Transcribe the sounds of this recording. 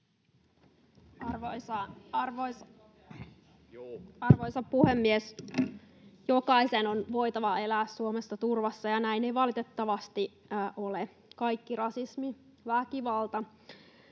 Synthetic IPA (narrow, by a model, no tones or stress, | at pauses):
ɑrʋoisɑɑrʋois | ɑrʋoijsɑppuhemːies | jokɑisenonʋo̞jt̪ɑʋɑe̞læːssuomesːɑt̪urʋɑsːɑjɑnæinejʋɑlit̪et̪ːɑʋɑst̪i | ʔole | kɑikːirɑsismi | ʋækiʋɑlt̪ɑ